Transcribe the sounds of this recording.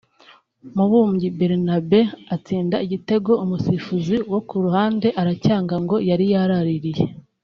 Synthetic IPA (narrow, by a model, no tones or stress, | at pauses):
muβuːmɟibeɾinabe̞at͡siːndaiɟite̞ɡo̞umusifuziwo̞kuɾuhaːnde̞ʔaɾacaːŋɡaŋɡo̞jaɾijaɾaɾiɾije